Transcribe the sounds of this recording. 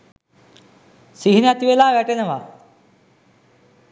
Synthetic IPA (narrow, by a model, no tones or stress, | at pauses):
siɦinjat̪iʋelaːʋɛʈenɐʋa